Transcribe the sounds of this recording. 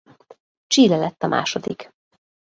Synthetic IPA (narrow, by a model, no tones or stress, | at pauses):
t͡ʃiːlɛlɛt̪ːɒmʔa̰ːʃo̞d̪ik